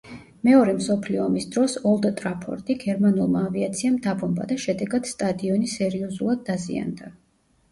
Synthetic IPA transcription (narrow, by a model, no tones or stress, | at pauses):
mɛɔɾɛmsɔpʰliɔːmisd̪ɾɔsɔlˠd̪t̪ʼɾapʰɔ̰ɾt̪ʼiɡɛɾmanulˠmaːviat̪sʰiamd̪abɔmba̰d̪aʃɛd̪ɛɡad̪̥st̪ʼad̪iɔnisɛɾiɔzulˠad̪ːazḭa̰nd̪a